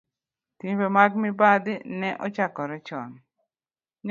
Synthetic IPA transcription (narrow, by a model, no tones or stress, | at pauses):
timbemaɡmɪbad̪ɪnɛʔɔt͡ʃakɔɾɛt͡ʃɔn | ɲ